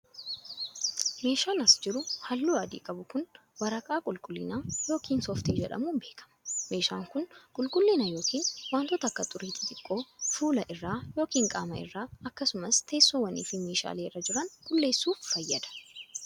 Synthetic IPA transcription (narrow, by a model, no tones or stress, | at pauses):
me̞ːʃaːnɐsd͡ʒɪɾʊhɐlːuːɐd̪ḭːkʼɐbʊkʊn | wɐɾɐkʼaːkʼʊlkʼʊlːɪnaːjo̞ːkiːnsɔft̪eːd͡ʒɛᶑɐ̰muːnbe̞ːkʰɐ̥mɐme̞ːʃaːŋkʊnkʼʊlkʼʊlːɪnɐjo̞ːkʰiːnwaːnt̪ɔt̪ɐkːɐt̪ʼʊɾiːt̪ʰɪt̪ʼɪkʼːo̞ːfuːlɐʔɪrːaːjo̞ːkiːŋkʼa̰ːmɐɪ̰rːaːɐkːɐsʊmɐst̪ʰe̞ːsːoːwɐnḭːfɪme̞ːʃa̰ːleːɪrːɐd͡ʒɪɾɐnkʼʊlːe̞ːsːuːffɐjːɐd̪ɐ̥